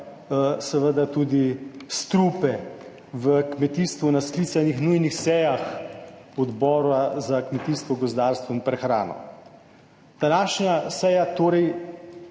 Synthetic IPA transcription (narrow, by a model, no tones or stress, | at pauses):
sɛʋəd̪at̪uːd̪ist̪ɾupɛ | ʋəkmɛt̪iːst̪ʋunaskliːt̪sanixnujnixsɛjax | ɔd̪bɔːɾazakmɛt̪iːst̪ʋɔɡɔzd̪aːɾst̪ʋɔinpɾɛxɾa̰ːnɔ̰ | d̪̥anaːʃɲasɛjat̪oːɾɛj